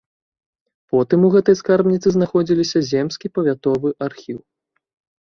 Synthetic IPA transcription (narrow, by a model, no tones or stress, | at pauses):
pɔt̪ɨmuɣɛt̪ɐjskarbnʲit̪sɨznaxɔd͡zʲilʲisʲɐzʲɛmsʲkʲipɐvʲat̪ɔvɨʔarxʲiw